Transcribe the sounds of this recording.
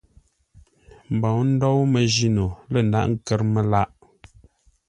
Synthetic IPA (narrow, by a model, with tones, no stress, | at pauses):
m̩˨bɔ˨wn̩˦dɔ˦wmə˨ʒi˦no˨lə˦˨n̩˨da̰˦ʔŋ̩˦˨kɛ˦ɾmə˨la˦˨ʔ